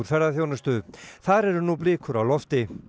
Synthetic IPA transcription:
uɾ̥fɛɾðaθjoːwnast̪ʏθaɾɛɾʏnublɪːkʰʏɾawlɔft̪ɪ

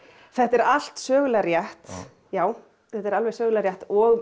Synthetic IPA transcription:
θɛht̪ɛɾal̥t̪sœːɣlaɾjaht̪ | jaːw | θɛht̪ɛɾalvɛsœːɣlaɾjaht̪ɔɣ

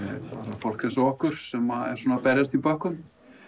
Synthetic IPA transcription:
paːɾafɔl̥kɪnsɔhkʏɾ̥sɛmaɛ̰ɾ̥sɔnapɛɾjast̪ipœhkʏn

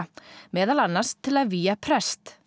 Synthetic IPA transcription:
mɛːðalanːḁst̪ʰːɪlaðviːjapʰɾɛst̪

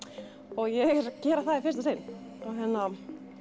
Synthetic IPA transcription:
ɔɣjɛɣɾcɛːɾaθaðifɪst̪asen | awɦɛnːa

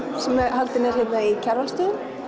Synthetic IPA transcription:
sɛmɛhalt̪ɪnɛɾ̥hɛpnaicʰɛɾvalst̪œːðʏn

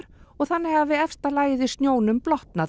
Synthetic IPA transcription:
ɾ̥ɔɣθanːɪɣavɪɛfst̪alaːjðɪst̪njoːwnʏmplɔht̪na

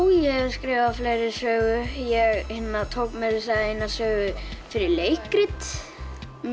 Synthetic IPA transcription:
jɛ̥skɾɪːvafleːjɾɪɾ̥sœːɣʏjɛɣhɪnːat̪ʰoːwkmɛðɪsaejnːasœːɣʏfɪɾɪɾleːjkɾɪt̪ | m

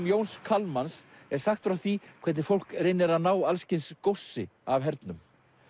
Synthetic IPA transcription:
mjoːwnskʰalmans | ɛɾ̥saxt̪fɾawθikʰɛjt̪nɪɾfowl̥krɪnːɪɾaðnaːwalscɪnskowsːɪ̰avɦɛɾt̪nʏm

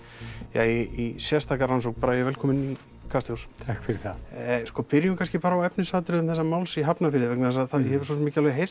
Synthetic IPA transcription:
ja̰iisjɛst̪aːkarans̬owk̚paːɾajɛvɛlkʰɔːmɪni | kʰast̪jowst̪ʰahkfɪɾɪθaskɔpɪɾjʏmkʰanscɪpaːɾawɛpnʏsaːt̪ɪɾʏðʏmθɛsːamaːwlsiɦapnafɪɾɪðɪvɛknaðasaðθaðjɛhɛvʏ̥ɾsɔsmɪːcɪalvɛɦejr̥s

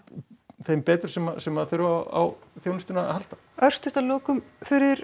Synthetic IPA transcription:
θejmpɛːt̪ɾʏ̥sɛmasɛmaðθʏɾvaa̰wθjownʏst̪ʏnaa̰hal̥t̪ḁ | œr̥st̪ʏht̪aloːkʏmfɪɾɪɪɾ

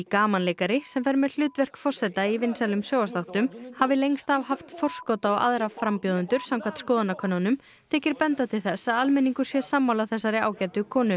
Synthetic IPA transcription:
ikaːmanlejkaɾɪsɛmfɛɾmɛðl̥ʏːt̪vɛr̥kfɔr̥sɛt̪aivɪnsalʏmsjoːwast̪aft̪ʏmhavɪlejŋst̪avhaft̪fɔr̥skɔt̪aɔɣa̰ðɾavfɾampjowðʏnt̪ʏɾ̥samkʰvat̪skoːðanakʰœnːanʏm | t̪ʰɛːcɪɾpɛnt̪at̪ʰɪlθɛsːaðalmɛniŋkʏ̥sjɛsaːmːawlaθɛs̬ːaɾɪa̰ːwcɛːjt̪ʏkʰɔːnʏ

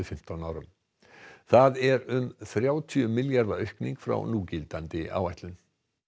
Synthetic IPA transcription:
ʏfɪm̥t̪awnaːwɾʏm | θaðɛɾʏmθɾjaːwt̪ʰiʏmːɪljaɾðaœɥhkniŋkfɾa̰wnuːcɪlt̪ant̪ɪʔa̰wajht̪lʏn

